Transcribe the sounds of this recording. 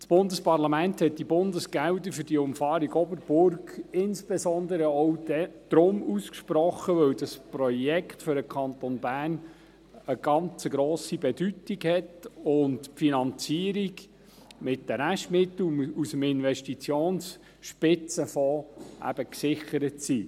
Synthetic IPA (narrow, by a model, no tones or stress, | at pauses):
sb̥ʊndəspɑʁlɑmænthɛt̚d̥ibʊndəsɡ̥æwdəfʏɾd̥iʊmfɑːɾiɡɔbəɾb̥ʊrɡɪnsb̥ɛsɔndəɾəɔwd̥ɛd̪̥ɾʊmuskʃpɾɔχːəʋœwdɑsprɔjɛkχtfʏɾəkʰɑnt̪onbæːn | əɡ̥ɑnt͡səɡɾoːsibɛdytiɡhɛtʊntfinɑnt͡siːəɾiɡ | mɪtdəɾæʃtmɪt̪l̩usəmɪnvɛʃtit͡sjoːns | ʃpɪt͡səfɔʔæ̰b̥əksɪχəɾətsiː